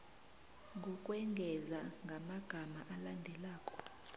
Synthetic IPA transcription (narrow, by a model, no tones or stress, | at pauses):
ŋɡʱukʼwɛŋɡʱɛzaŋɡʱamaɡ̥ʱamaʔalandʱɛlaːkʼɔ̥